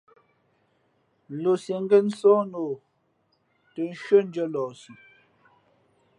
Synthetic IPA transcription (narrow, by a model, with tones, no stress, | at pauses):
lo˨se˨ŋ˦ɡə˦n̩˦sɔ̃ː˦no˨ | tə˨n̩˦ʃɥə˦n˦d͡ʒə˦lɔː˨si˨